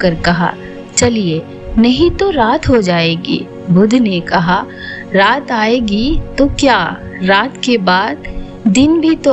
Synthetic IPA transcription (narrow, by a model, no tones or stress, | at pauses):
ɐɾkɐɦa̰ | t͡ʃɐlie | nɐɦĩt̪oɾaːt̪ɦod͡ʒaːeːɡḭː | bʊd̪ʱnekɐɦa | ɾaːt̪aːeːɡit̪okjaː | ɾaːt̪kebaːd̪ | d̪ɪnbʱit̪o